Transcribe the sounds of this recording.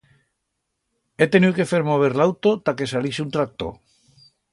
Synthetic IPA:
et̪e̞nike̞feɾmo̞β̞eɾlawt̪ot̪ake̞saliseunt̪ɾak̚t̪o̰

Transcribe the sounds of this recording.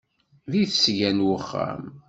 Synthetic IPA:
ðiθsʝænwəχːa̰m

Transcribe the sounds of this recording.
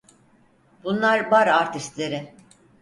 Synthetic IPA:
b̥unlˠaɾbaɾaɾt̪ʰiʃt̪lʲeɾɪ

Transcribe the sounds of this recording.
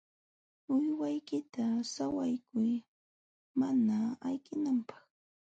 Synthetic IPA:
ʊjwajkɪt̪asawajkʊj | manaajkɪnampɑ̥χ

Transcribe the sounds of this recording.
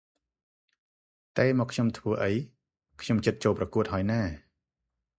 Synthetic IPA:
t̪aɛmɔːkʰɲomt̪ʰʋəːʔəj | kʰɲomt͡ɕət̪̚t͡ɕoːlprɑkuət̪̚ɦaəjnaː

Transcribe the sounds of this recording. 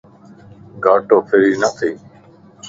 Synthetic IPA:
ɡʱaːʈoːpʰɪɾiːnət̪ʰiː

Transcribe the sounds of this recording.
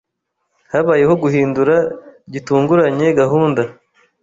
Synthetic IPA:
haβaːje̞ho̞ɡuhiːnduɾaɟituːŋɡuɾaɲe̞ɡaɦuːnda

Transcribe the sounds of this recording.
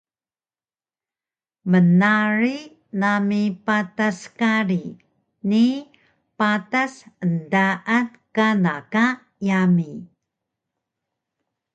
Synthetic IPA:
mənaɾi | namipataskaɾi | ni | patasəndaʔankanaka | jami

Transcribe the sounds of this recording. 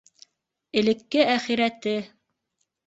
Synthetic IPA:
ɘ̆lɘ̆kːɘʔæχiɾæt̪ɘ

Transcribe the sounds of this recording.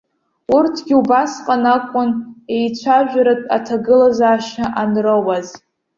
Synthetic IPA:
urtʰɡʲiubasqʼanakʷʼʊnejt͡ɕʷʰaʒᶣʷaɾatʼa̰tʰaɡɨlazaːʃnaʔanrowaz

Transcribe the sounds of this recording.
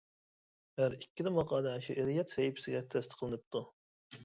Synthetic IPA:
hæɾikʲʰːid̪ɪmɑqɑːd̪ɛʃiʔɪɾjɛt̪sɛjipʰɪ̥sɪɡʲɛt̪ʰɛst̪qʰəlˠɨnɨp̚t̪ʰu

